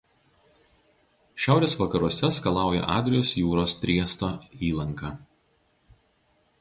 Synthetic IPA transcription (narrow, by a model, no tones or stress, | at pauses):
ʃʲæˑʊɾʲeːsʋɐkɐɾuɔsʲɛskɐlˠɑˑʊjɛ̰ʔɑ̰ːd̪ʲɾʲɪjoːsjuːɾoːst̪ʲɾʲiɛst̪oːiːlˠɐŋkɑː